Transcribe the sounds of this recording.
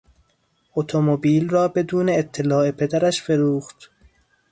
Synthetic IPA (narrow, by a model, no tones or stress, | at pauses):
ʔot̪ʰomobiːlrɒːbe̞d̪uːne̞ːt̪ʰːelɒːe̞pʰe̞d̪æɾæʃfe̞ɾuːxt̪